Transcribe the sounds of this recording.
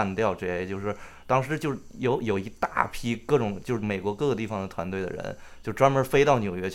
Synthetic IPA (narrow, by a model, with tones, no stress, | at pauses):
nt̪jɑ˥˧ʊʈ͡ʂe˥˧˩t͡ɕjo˥˧ʊʂɻ̩˥˩ | t̪ɑ˥ŋʂɻ̩˧˥t͡ɕjo˥˧ʊjo˧˥ʊjo˨˩ʊi˧˥t̪a̰˥˩pʰi˥kɤ˥˩ʈ͡ʂʊ˨˩˦ŋt͡ɕjo˥˧ʊʂɻ̩˥˩me˨˩ɪkwɔ˧˥kɤ˥˧ɡt̪i˥˩fɑ˨˩ŋd̪ə˨˩t̪ʰwa˧˥nt̪we˥˩ɪdə̰˨ɻə̰˧˥nt͡ɕjo˥˧ʊʈ͡ʂwa˥nmə˞˧˥fe˥ɪt̪ɑ˥˩ʊnjo˨˩ʊɥɛ˧˥t͡ɕ